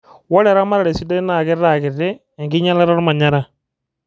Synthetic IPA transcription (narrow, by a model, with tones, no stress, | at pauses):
wɔ˦lɛ˨ɾa˦ma˦ɾa˨ɽɛ˨si˦dɔ˦naː˨ɡɪ˦ɾa˨ɡɪ˨rɛ˦ | ɛ˨ŋɡɪ˦ɲa˦la˦ɾa˦ɾma˨ɲa˦ɾa˦